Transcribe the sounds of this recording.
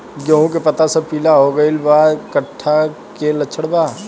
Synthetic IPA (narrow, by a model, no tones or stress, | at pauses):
ɡɐɦũkepɐt̪asɐpiːlaɦoɡɐɪlbaːd̪kɐʈʰːa | kelɐt͡ʃʰəɽbaː